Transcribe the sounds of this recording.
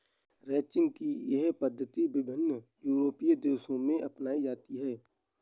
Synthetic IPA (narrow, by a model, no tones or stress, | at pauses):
ɾɛːt͡ʃɪ̃ŋɡ̚kijɛɦpəd̪ʱːət̪ibɪbʱɪnːjuːɾoːpijd̪eːsõmẽʔɐpnaːid͡ʒaːt̪iɦɛː